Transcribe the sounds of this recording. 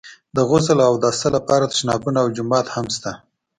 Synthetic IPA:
d̪əɣʊzəlawd̪ɑst̪alapɑɾat̪ə̥ʃnɑbunaːwd͡ʒʊmɑt̪hamst̪a

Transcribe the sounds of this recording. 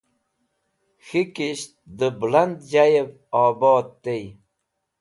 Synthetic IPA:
xikiɕt̪̚d̪əbland̪d͡ʑajev | ɑːboːt̪̚t̪ej

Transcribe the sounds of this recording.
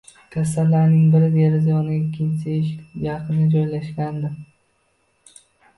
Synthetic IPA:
kʲʰas̬ːalːaɾnɪŋbɪɾɪd̪eɾɪzajɒnɪɪakʲʰːɪnsɪɪʃjɑqʰɨnad͡ʒɒjlaʃkʲand̪ɪ

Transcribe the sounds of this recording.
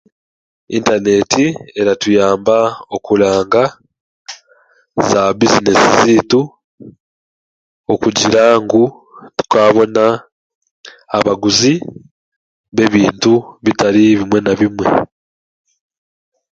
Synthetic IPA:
ḭntane̞tie̞ɾatujaːmbao̞kulaːŋɡa | zabizinesizitu | okuɟiɾaŋɡu | tu̥kaːβo̞na | βaɡuzi | βe̞βiːntuβitaɾiβimwe̞naβimwe̞̰

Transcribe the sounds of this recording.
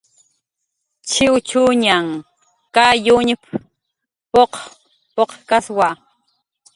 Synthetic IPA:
t͡ʃɪwt͡ʃuɲaŋ | kajuɲɪp | poq | poqkaswa

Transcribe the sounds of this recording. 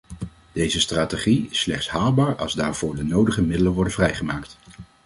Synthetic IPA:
d̥ejzəstraːteχiɪslɛχtsɦaːlˠbaːɹɑ̰lˠzdaːɹv̥ʊːɹdənowdəχəmɪdələnʋɔɹdəvrɛjχəmaːkt

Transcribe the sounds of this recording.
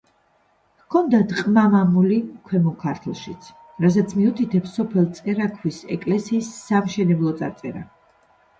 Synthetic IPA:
kʰɔnd̪ad̪qʼmamamulikʰwɛmɔkʰaɾt̪ʰlˠʃit̪sʰ | ɾazɛt̪sʰmiut̪ʰit̪ʰɛpsɔpʰɛlˠt̪sʼɛɾakʰwisɛ̰kʼlɛsiːsːamʃɛnɛblˠɔt̪sʼa̰ɾt̪sʼɛ̰ɾa̰

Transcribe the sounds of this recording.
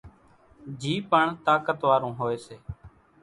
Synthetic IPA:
d͡ʒʱiːpəɳt̪aːkət̪ʋaːɾũːɦoːeːseː

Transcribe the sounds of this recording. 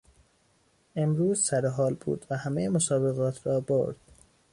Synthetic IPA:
e̞mɾuːzsæɾeɦɒːlbṵːd̪̥væhæmejemosɒːbeɣɒːt̪ʰɾɒːbo̰ɾd̪̥

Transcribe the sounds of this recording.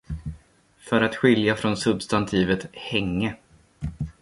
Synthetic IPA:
fœɾat̪ɧɪljafɾɔnsɵbst̪ant̪ʰiːvət̪hɛŋːə

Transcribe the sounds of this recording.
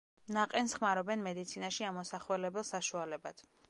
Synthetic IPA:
naqʼɛnsχmaɾɔbɛnmɛd̪it̪sʰinaʃiamɔsaχwɛlɛbɛlˠsaʃualɛbad̪̥

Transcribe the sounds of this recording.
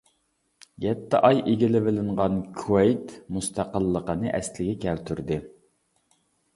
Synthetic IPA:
jʲɛt̪ʰːɪʔɑjʔeɡʲɪlɪvɪlɪɴʁɑnkʰuwɛjt̪must̪ʰɑqəlˠːəqənɨʔɛ̰slɪɡʲɛkʲɛlt̪ʰyɾd̪ɪ

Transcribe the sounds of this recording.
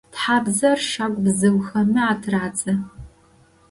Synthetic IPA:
tħaːbzɐrʃakʷʼbzɨwxɐmɨaːtʰraːt͡sʼɨ

